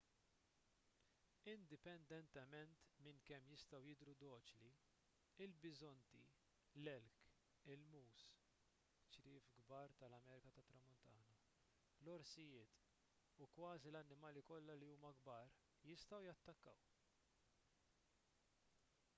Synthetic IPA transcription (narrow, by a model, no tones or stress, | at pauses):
ɪnd̪ɪpɛnd̪ɛnt̪ɛmɛnt̪mɪŋkɛmːjɪst̪ɐwjɪd̪ɾud̪ɔːt͡ʃli | ɪlbɪzɔnt̪i | lɛlk | ɪlmuːs | t͡ʃɾɪːfɡbɐːɾt̪ɐlɐmɛːɾɪkɐt̪ɐt̪ːɾɐmːʊnt̪ɐːnɐ | lɔɾsɪjɪːt̪ | ukwɐːzilɐnːɪmɐːlikɔlːɐliuːmɐɡbɐːɾ | jɪst̪ɐwjɐt̪ːɐkːɐw